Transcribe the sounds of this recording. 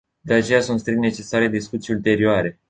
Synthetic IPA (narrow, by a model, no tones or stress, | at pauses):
d̪e̞at͡ʃe̞jasunt̪st̪ɾiknet͡ʃe̞saɾe̞d̪iskut̪siult̪e̞ɾioaɾe̞